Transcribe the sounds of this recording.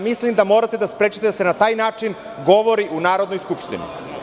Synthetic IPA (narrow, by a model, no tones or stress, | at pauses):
mislimd̪amo̞ːɾat̪e̞d̪aspɾe̞ːt͡ʃit̪esenat̪aːjnaːt͡ʃin | ɡo̞ʋo̞ɾiʔunaːɾo̞d̪nojskupʃt̪ḭnḭ